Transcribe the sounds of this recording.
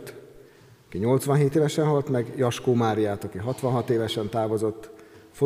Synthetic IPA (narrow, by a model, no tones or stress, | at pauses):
t̪ | ɒkiɲo̞lt̪sʋɒnɦeːt̪eːvɛʃɛnɦɒlt̪mɛɡjɒʃkoːmaːɾijaːt̪ɒkiɦɒt̪ʋɒnɦɒt̪eːvɛʃɛnt̪aːvo̞zo̞t̪ːfo